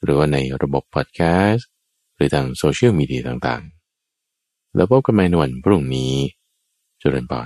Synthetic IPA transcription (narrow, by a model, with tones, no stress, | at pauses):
ɾɯː˩˦waː˥˩na˧jɾa˧bo˨˩pʰːɔ˨˩t̪̚kʰɛː˦˥s | ɾɯː˩˦t̪ʰaː˧ŋsoː˧t͡ɕʰi˥˩miː˧di˧ɐ˧t̪aː˨˩ŋt̪a̰ː˨˩ŋ | lʔɛː˦˥pʰɔ˦˥ka˧nmaː˧jna˧wa˧˩npʰɾu˥˩ŋniː˦˥ | t͡ɕːɾɯ̰˧npʰɔ̰ː˨˩